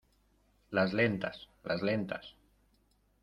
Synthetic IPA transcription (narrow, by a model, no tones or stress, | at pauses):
lazlent̪as | lazlent̪as